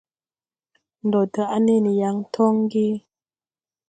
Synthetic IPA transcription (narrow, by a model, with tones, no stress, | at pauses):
n̩˨dɔ˨tə˨ʔa˦ne˦˨ni˨ja˦ŋ˦tʰɔ˦ŋ˦ɡi˦